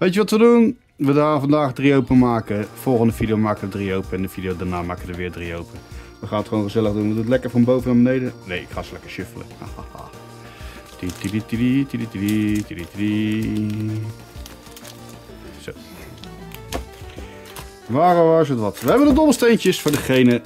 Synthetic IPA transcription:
ʋejtjəʋɑtʋədun | ʋədaːnfɑndaːxdriowpəmaːkəfolˠxəndəfidjomaːkəədriowpəɛndəfidijodaɹnaːmaːkəədəʋɪːdriowpənʋəχaːnətχʋoːwnχəzɛləɣdunʋətətlɛkərfɑnbowvənabənejdənejɪkχaːslɛkə̥ɹʃʏfələ̰a̰ | titiditditidititiri | so | ʋaːroʋas̬ətʋɑtʋəɦɛbəndədɔbl̩ˠstejntjəsfʊːɹdəχejnə

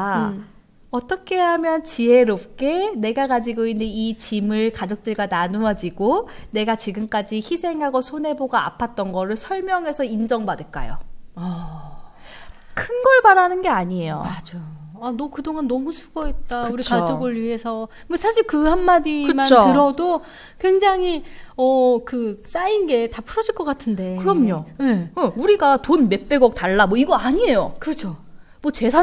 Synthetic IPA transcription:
ʌt͈ʌkʰe̞ɦamjʌnt͡ɕiɦe̞ɾop̚k͈e̞ne̞ɡakad͡ʑiɡoinːeit͡ɕimɯɭkad͡ʑʌk̚t͈ɯɭɡananuʌd͡ʑiɡone̞ɡat͡ɕiɡɯmk͈ad͡ʑiçisʰe̞ŋɦaɡosʰonɦe̞boɡaa̰pʰat̚t͈ʌnɡʌɾɯɭsʰʌɭmjʌŋe̞sʰʌind͡ʑʌŋbadɯɭk͈a̰jo̰a | kʰɯnɡʌɭbaɾanɯnɡe̞aɲiejo̰mad͡ʑajoanʌkɯdoŋanːʌmusʰu̥ɡ̥ʌet̚tt͈aɯuɾikad͡ʑʌɡɯɭɥiɦe̞sʰʌ | esʰaɕʰiɭkɯhanːadiɯmanotɯɾʌdo | kwe̞ŋd͡ʑaŋɦiʌkɯs͈ainɡe̞tapʰuɾʌd͡ʑiɭk͈ʌk͈atʰɯnde̞kɯɾʌmɲoje̞uɾiɡatonme̞p͈e̞ɡʌk̚taɭːamwʌiɡʌaɲie̞jokɯt͡ɕʰo | mwʌt͡ɕe̞sʰa

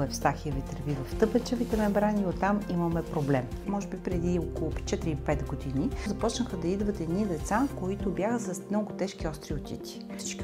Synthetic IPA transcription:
ɛfst̪axiəvit̪əɾvivɐft̪ɤpɛt͡ʃɛvit̪ɛmɛbɾaniot̪amimɐmɛpɾoblɛmːɔʒɛbipɾɛd̪iokolˠʊt͡ʃɛt̪ɾipɛt̪ɡod̪inizɐpɔt͡ʃnəxəd̪ɐid̪vət̪ɛd̪nid̪ɛt̪sakoit̪ʊbjaxəsɐsmnɔɡʊt̪ɛʃk̟iɔst̪ɾiot̪ʲḭt̪ʲi̥ | si̥t͡ʃki

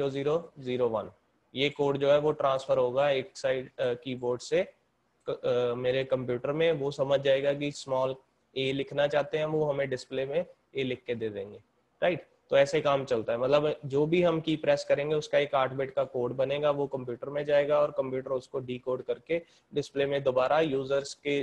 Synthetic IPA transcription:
oziːɾoziːɾoʋɐn | jekoːɾɖd͡ʒoːɦɛʋoʈɾãːnsfʰəɾɦoːɡaeːksaːɪɖkiːboːɾɖse | meːɾekɐ̃mpjuːʈəɾmẽʋosɐməd͡ʒʱd͡ʒaːeːɡak̬ismɔːl | eːlɪkʰnat͡ʃaːɦt̪eɦɛ̃ʋoɦɐmẽɖɪsplemẽ | eːlɪkʰːed̪eːd̪ḛ̃ːŋɡeː | ɾaɪʈ | t̪oɛːsekaːmt͡ʃɐlt̪aɦɛmɐt̪ləbd͡ʒoːbʱiɦɐmkiːpɾɛːskɐɾẽːŋɡeʊskaeːkaːʈʰbeːʈkakoːɾɖbɐneːɡaʋokɐ̃mpjuːʈəɾmẽd͡ʒaːeːɡaɔːɾkɐ̃mpjuːʈəɾʊskoɖiːkoːɾɖkɐɾke | ɖɪsplemẽd̪oːbaːɾajuːzəɾske

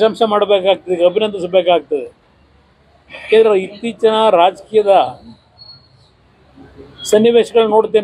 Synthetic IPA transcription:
ʃɐmʃɐmaːɽbeːkaːɡ̚t̪ɐd̪eɐbʱinɐnd̪isbeːkaːɡ̚t̪ɐd̪e | eɾit̪ːiːt͡ʃɐnɐɾaːd͡ʒɐkiːjɐd̪ɐ | sɐnːiʋeːʃɐɡɐɭnoːɽt̪ːeːn

